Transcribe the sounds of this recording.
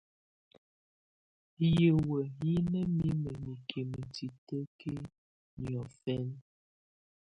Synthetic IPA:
je˨wə˨ji˦nə˦mi˦mə˨mi˨kʰe˨mə˨ti˨tə˦ke˦ | ɲjɔ˨fɛ˦n

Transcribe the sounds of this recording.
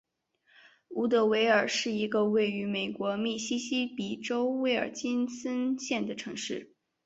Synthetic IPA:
u˧˥t̪ɤ˧˥we˧˥ɪə˞˨˩ʂɻ̩˥˩i˧˥ɡə˧we˥˩ɪy˧˥me˨˩ɪkwɔ˧˥mi˥˩ɕi˥ɕi˥pi˨˩ʈ͡ʂo˥ʊwe˥ɪə̰˞˨˩t͡ɕi˥nsə˥nɕjɛ˥˩nd̪ə˩ʈ͡ʂʰɤ˧˥ŋʂɻ̩˥˩

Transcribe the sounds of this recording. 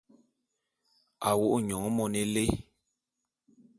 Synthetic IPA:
a˨wo˦ʔɲɔ˨ŋ˦mɔ˦nɛ˦le˦

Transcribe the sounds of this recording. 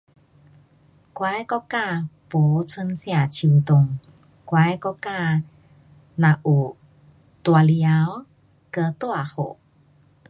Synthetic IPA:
kwa˧˦jkɔ˦˥kːa˥˧˨po˨˦t͡sʰwə˧nsj̃ã˥˧˩t͡ɕʰi˨t̪ʊ˨˩ŋ | kwa˧˦jkɔ˦˥kːa˥˧ | nã˨˩ʔu˨˩ | t̪wa˨˧lja˦w | kə˧t̪wa˧˨ho̰˨˩

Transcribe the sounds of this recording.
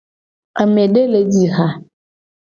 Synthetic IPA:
a˨mẽ˨ɖe˦le˨di˦ha˦

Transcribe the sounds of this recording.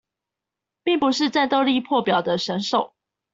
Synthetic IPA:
pi˥˩ŋpu˨ʂɻ̩˥˧t͡sa˥˧nt̪o˥˧ʊli˥˧˨pʰwɔ˥˨pjɑ˨˩ʊd̪ə˦ʂə˧˥nʂo˨˩ʊ

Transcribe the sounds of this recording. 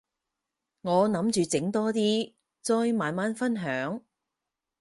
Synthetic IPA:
ŋɔː˨˧nɐ˨˥mt͡ʃyː˨˧t͡sɪ˨˥ŋt̪ɔː˥t̪iː˥ | t͡sɔː˧jmaː˨˧nmaː˨˥nfɐ˥nɦœː˨˥ŋ

